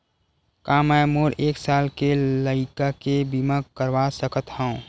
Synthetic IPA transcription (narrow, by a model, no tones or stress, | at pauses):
kamɛmoːɾeːksaːlkeləɪkakebimakkəɾʋasəkət̪ɦɛũ